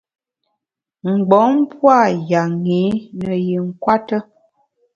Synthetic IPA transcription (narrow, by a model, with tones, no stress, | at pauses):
ŋ͡m̩˨ɡ͡bɔ˨˦m˦pwa˦˨ja˨ŋi˨˦nə˨ji˨ŋ̩˨kwa˦tə˦